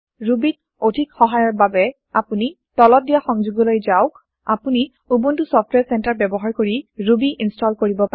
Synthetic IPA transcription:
ɹubit̚ | odʱikxɔɦajɔɹbabɛ | apuni | tɔlɔt̚dijaxɔŋzuɡɔlojzawk | apuni | ubuntusɔp̚ʰtwɛɹsɛntaɹbɛbɔɦaɹkoɹiɹubiʔinstɔlkoɹibɔpaɛ

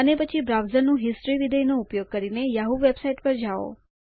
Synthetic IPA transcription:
ənepət͡ʃʰibɾaʋzəɾnũɦɪsʈɾiʋid̪ʱəjnoupjoɡ̚kəɾinejaɦuʋebsaiʈpəɾd͡ʒao̰

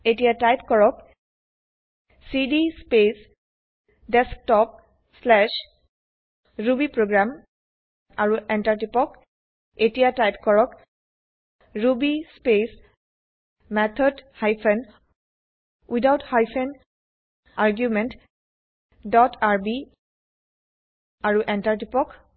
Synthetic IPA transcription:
etiatajpkɔɹɔk | sidispes | dɛsk̚tɔp̚ | slɛʃ | ɹubipɹoɡɹam | aɹuʔɛntaɹtipɔk | etijatajpkɔɹɔk | ɹubispes | mɛt̪ʰɔdhajpʰɛn | widawthajpʰɛn | aɹɡjumɛnt | dɔtʰaɹbi | aɹuʔɛntaɹtipɔk

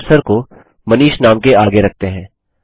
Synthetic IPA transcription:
səɾko | mɐniːʃnaːmkeaːɡeɾɐk̚ʰt̪eɦɛ̃ː

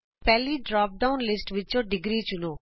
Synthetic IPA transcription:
pɛːliːɖɾaːp̚ɖaːʊnlɪsʈʋɪt͡ʃõːɖɪɡɾiːt͡ʃʊnoː

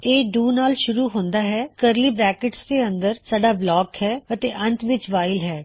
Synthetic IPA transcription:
eːɖuːnaːlʃʊɾuːɦõːnd̪aːɦɛːkəɾliːbɾɛːkɪʈsd̪eːənd̪əɾsaːɖaːblɔːkhɛːət̪eːʔə̃nt̪ʋɪt͡ʃʋaːɪlɦɛː

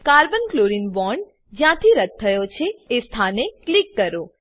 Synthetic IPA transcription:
kaɾbənkloɾinʋɔɳɖ | d͡ʒjãt̪ʰiɾəd̪̚t̪ʰːəjot͡ʃʰeːst̪ʰaneklikːəɾo

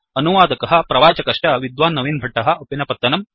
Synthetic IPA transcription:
ɐnuʋaːd̪ɐkɐɦɐ̆pɾɐʋaːt͡ʃɐkɐʂʈɐʋid̪ʋaːnːɐʋiːnbʱɐʈːɐɦɐ̆ʔɐpinɐpɐt̪ːɐnɐm

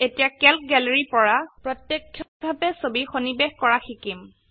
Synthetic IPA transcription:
etijakɛlk̚ɡɛlɹipɔɹapɹɔtjekʰːjɔbʱabɛsobixonibexkɔɹaxikim

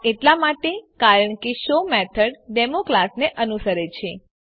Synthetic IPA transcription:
eʈlamaʈekaɾəɳkeʃomɛt̪ʰəɽɖemokɾasneʔənusəɾet͡ʃʰe

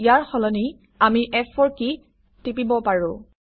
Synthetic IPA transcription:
ijaɹxɔlɔni | amiʔɛfɔɹki | tip̬ibɔpaɹʊ̃

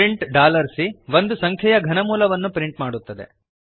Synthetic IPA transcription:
iɳʈɖaːlɐɾsiʋond̪usɐŋkʰjɐjɐɡʱɐnɐmuːlɐʋɐnːupɾiɳʈmaːɽut̪ːɐd̪e̞̰

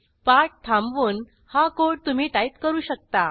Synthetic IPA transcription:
paʈ̚t̪ʰãmʋuːn | hakoɽt̪um̤iːʈ̪ait̪kəɾuːɕək̚t̪a

